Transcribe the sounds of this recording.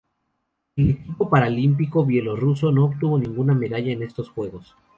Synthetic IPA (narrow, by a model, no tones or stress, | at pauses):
e̞le̞kipo̞paɾalimp̬iko̞βje̞lo̞ruso̞no̞oːβt̪uβo̞nĩŋɡuname̞ðaʝaene̞st̪o̞sxwe̞ɣo̞s